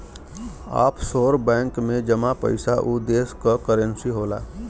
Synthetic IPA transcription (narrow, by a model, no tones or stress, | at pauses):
a̰ːpsoːɾbɛ̃ːŋkmẽd͡ʒəmapə̰ɪsaʔud̪eːskəkəɾənsiɦoːla̰ː